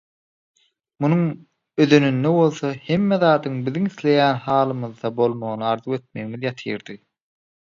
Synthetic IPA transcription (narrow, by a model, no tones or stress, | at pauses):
munuŋ | øðø̞nynːeβo̞lˠθohe̞mːeðɑːd̪ɯŋbiðiŋiθlʲe̞jæːnhɑːlˠɯmɯðːɑbo̞lˠmoɣnɯɑɾðuwe̞t̪̚me̞ɣimiðjɑt̪ʰɯjɾd̪̥ɯ